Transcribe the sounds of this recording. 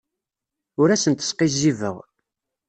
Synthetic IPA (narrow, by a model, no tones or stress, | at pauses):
ʊɾæsənt̪ə̥sqizivə̰ʁ